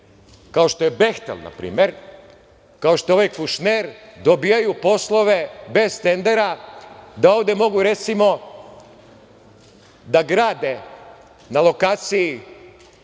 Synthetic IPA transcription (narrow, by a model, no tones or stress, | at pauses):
kao̞ʃt̪o̞jebe̞xt̪ḛlˠna̰pɾḭːme̞ɾ | kao̞ʃt̪oo̞ʋajkuʃneɾd̪o̞bijajupo̞slˠo̞ʋe̞be̞zt̪e̞nd̪e̞ɾad̪ao̞ːʋd̪e̞mo̞ɡuɾe̞t̪simo̞ | d̪aɡɾaːd̪e̞ | nalˠo̞kaːt̪siji